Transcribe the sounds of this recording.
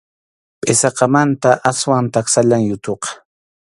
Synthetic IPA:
pʼɪsɑqɑmant̪aʔaswaŋt̪aksaʎaŋjʊt̪oqɑ̥

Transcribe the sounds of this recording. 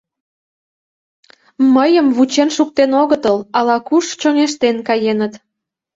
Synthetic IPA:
məjəmβut͡ɕenʃuk̚t̪enoɣət̪əlɑlɑkuʃt͡ɕoŋeʃt̪enkɑjenət̪

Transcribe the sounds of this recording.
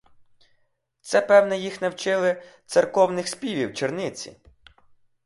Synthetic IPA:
t̪sɛpɛwnɛjixnɐwt͡ʃɪlˠɪt̪sɛrkɔwnɪxspʲiʋʲiwt͡ʃernɪt͡sʲḭ

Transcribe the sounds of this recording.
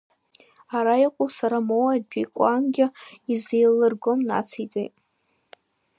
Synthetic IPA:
aɾaiqʷʼosaɾamowad͡ʒikʷʼanɡʲɪizejlɨrɡʷomna̰t͡sʰijt͡sʼḛjtʼ

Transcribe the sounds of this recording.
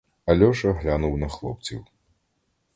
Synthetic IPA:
ɐlʲɔʂɐɦlʲanuwnɐxlˠɔ̰p̚t͡sʲḭw

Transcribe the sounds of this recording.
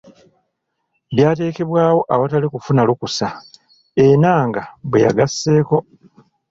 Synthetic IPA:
βjaːte̞ːke̞βwaːwo̞ʔaβatalikufunalukusa | enaːŋɡabweja̰ɡasːe̞ːko̞

